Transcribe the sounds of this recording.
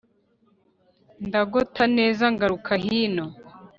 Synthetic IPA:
ndaɡotʰane̞ːzaŋɡaɾukʰaɦiːno

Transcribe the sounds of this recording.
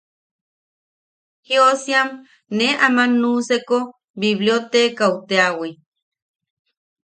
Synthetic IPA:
hiosiam | neamanːuseko | biβliot̪ekawt̪eawi

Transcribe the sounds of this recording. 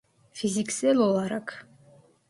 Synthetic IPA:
fizʲikselolˠaɾakʰ

